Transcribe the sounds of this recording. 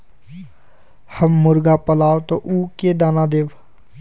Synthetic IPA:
həmːʊɾɡapəlaːwt̪oʔuːked̪aːnad̪eːʋ

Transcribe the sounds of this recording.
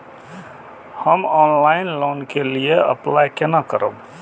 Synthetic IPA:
həmɔnlaɪnlonkelijeə̰plajkenakəɾə̰b

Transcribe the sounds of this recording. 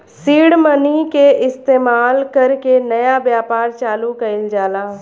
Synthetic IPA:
siːɽmənikeʔɪst̪eːmaːlkɐɾkenɐjabjaːpaːɾt͡ʃaːlukɐɪld͡ʒaːlaː

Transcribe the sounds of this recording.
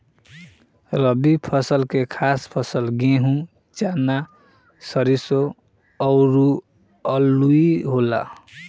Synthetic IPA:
ɾəbipʰʌsəlkekʰaspʰʌsəlɡeɦũ | t͡ʃana | səɾiso | ɔʊɾu | əluiɦola̰

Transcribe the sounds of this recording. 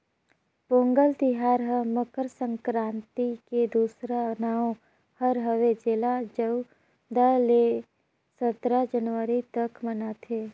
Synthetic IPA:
põːŋɡəlt̪ɪɦaːɾɦəməkəɾsə̃ŋkɾãːnt̪iked̪uːsɾanaːõ | həɾɦəʋed͡ʒɪlad͡ʒəu | d̪əle | sət̪ɾəd͡ʒənʋəɾit̪əkmənat̪ʰeː

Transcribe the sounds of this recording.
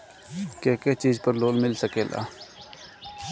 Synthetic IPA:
keːkeːt͡ʃiːzpəɾloːlmɪlsəkeːla̰ː

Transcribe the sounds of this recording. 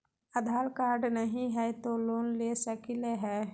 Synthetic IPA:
əd̪ʱaːlkaːɾɖnəɦĩɦɛt̪oloːnlesəkileɦɛ

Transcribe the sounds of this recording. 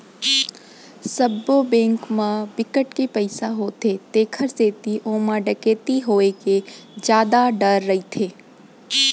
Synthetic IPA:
səbːobẽːŋkmãbɪkəʈkepəɪsaɦoːt̪ʰet̪eːkʰəɾseːt̪iʔõːmãɖɐkeːt̪iɦoːeked͡ʒjaːd̪aɖəɾːɐit̪ʰeː

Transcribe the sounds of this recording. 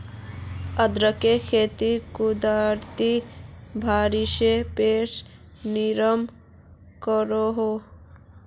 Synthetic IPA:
əd̪ɾəkekʰeːt̪ikud̪aɾt̪ibʱaːɾiʃepeːʃ | niɾəm | kəɾoɦo

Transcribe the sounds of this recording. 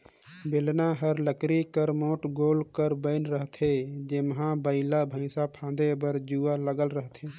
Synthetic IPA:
belnaɦəɾləkɾikəɾmoːʈɡoːlkəɾbəɪnɾəɦt̪ʰed͡ʒemɦãbəɪlabʱə̃ɪsapʰãːnd̪ebəɾd͡ʒualəɡəlɾəɦt̪ʰeː

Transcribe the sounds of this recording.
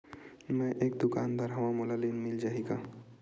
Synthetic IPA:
mɛ̃ʔeːk̚d̪ʊkaːnd̪aːɾɦɐʋãmolalinmɪld͡ʒaːɦeːɡaː

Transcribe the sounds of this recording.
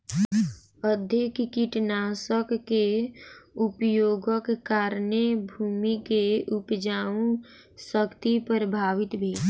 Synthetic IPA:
əd̪ʱekkiʈnasəkːe | upjoːɡəkːaːɾnebʱuːmikeupd͡ʒaːũ | səkt̪ipəɾəbʱaːʋɪt̪bʱeː

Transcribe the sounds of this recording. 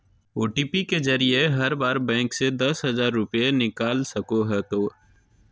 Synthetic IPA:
oːʈipikezɐɾijeɦɐɾbaːɾbɛ̃ːŋksed̪ɐsɦɐzaːɾːʊpjenɪkaːlsɐkoɦɛt̪oː

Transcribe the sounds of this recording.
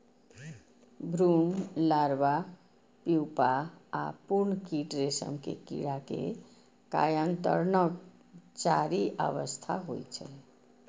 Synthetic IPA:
bʱɾunlaɾʋa | piwpaa̰puɾnkiʈɾesə̰mkḛkḭɽakḛ | ka̰jənt̪ə̰ɾnək | t͡ʃaɾiʔəʋəst̪ʰaɦo̰jt͡ʃʰɛ̰

